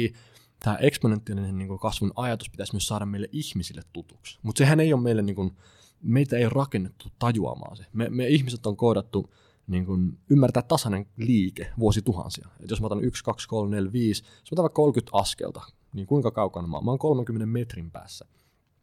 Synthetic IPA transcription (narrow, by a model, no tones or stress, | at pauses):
t̪æːʔeksponent̪ːiɑlineniːŋkukɑsʋunɑjɑt̪uspi̥t̪æsmyøssɑːɾɑmmeileʔihmisilːet̪t̪ut̪uksmut̪sehænejommeilːeniːŋkun | meit̪æeirɑkenːet̪ːut̪ɑjuɑ̰mɑ̰ːnsememeihmiset̪ːoŋkoˑiɾɑt̪ːu | niːŋkunymːært̪æːt̪t̪ɑsɑneŋliːkeʋuosit̪uhɑ̰nsiɑet̪josmɑot̪ɑnʔykskɑkskolmnelʋiːs | josmot̪ɑʋɑkolkyt̪ɑskḛlt̪ɑ | niːŋkuiŋkɑkɑukɑnmɑ̰ːmɑːŋkolmeŋkymːenemmet̪rimpæ̰ːsːæ